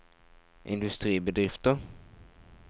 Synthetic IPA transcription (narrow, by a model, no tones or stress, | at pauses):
ʔɪ̰nd̪ɵst̪ɾiːbɛd̪ɾɪft̪əɾ